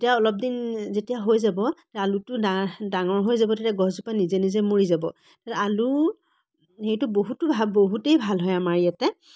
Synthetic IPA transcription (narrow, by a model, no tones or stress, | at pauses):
etijaɔlɔp̚dinzetijaɦojzabɔtaalutʊdadaŋɔɹɦojzabɔtetijaɡɔzupanizenizɛmoɹizabɔ | tatɛalu | xejtʊboɦutʊbʱaboɦutejbʱalɦɔjamaɹiatɛ